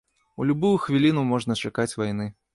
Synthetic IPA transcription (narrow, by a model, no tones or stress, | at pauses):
ulʲubujuxvʲilʲinumɔʐnɐt͡ʂakat͡sʲvajn̪ɨ